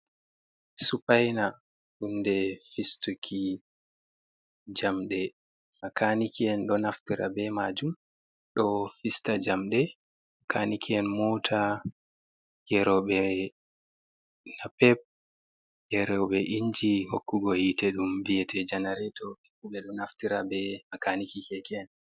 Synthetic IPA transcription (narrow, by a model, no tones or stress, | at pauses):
supajna | ɗundɛfistukʰi | d͡ʒamɗɛ | makʰanikiɛnɗɔnaftiɾa̰bɛmad͡ʒum | ɗɔfistad͡ʒamɗɛ | akʰanikʰiɛnmɔtʰa | jɛɾɔɓɛ | napɛp̚ | jɛɾɔɓɛʔiɲd͡ʒihokːuɡɔhitɛɗumbijɛtʰɛd͡ʒanaɾɛtɔki̥kuɓɛɗɔnaftiɾa̰bɛmakanikikɛkɛɛn